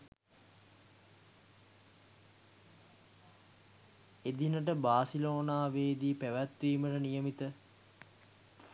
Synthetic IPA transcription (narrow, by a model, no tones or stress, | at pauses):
ed̪inəʈəbaːsiloːnaːʋeːd̪iːpæʋæt̪ʋiːməʈənijəmit̪ə